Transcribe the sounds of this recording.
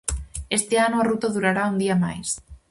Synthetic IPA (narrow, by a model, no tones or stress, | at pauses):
est̪eanoarut̪aðuɾaɾaund̪iama̰js